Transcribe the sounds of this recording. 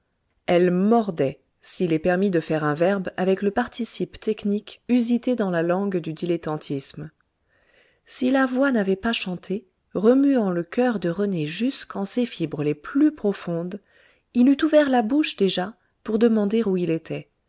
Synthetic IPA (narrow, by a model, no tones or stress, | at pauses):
ɛlmɔʁd̪ɛ | silɛpɛʁmid̪əfɛʁɛ̃vɛʁbavɛkləpaʁt̪isipt̪ɛknikyzit̪ed̪ɑ̃lalɑ̃ɡd̪yd̪ilet̪ɑ̃t̪ʰism | silavwanavɛpaʃɑ̃t̪ʰe | ʁəmyɑ̃ləkʲʰœʁd̪əʁəneʒyskɑ̃sefibʁəleplypχɔfɔ̃d̪ | ilyt̪uvɛʁlabuʃd̪eʒa | puʁd̪əmɑ̃d̪eʁuilet̪ʰɛ